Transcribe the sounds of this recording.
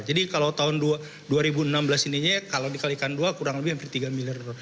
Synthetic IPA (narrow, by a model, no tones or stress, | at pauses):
d͡ʒadikalat̪aɦʊndua | duaɾibuənamblasiniɲakalawdikalikanduakuɾaŋləbɪhprit̪iɡamiliard